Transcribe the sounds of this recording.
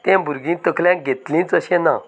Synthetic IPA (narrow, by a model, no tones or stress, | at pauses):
t̪ɛ̃bʱuɾɡĩːt̪əkʰljãɡʱet̪lĩːt͡səɕɛ̃nã̰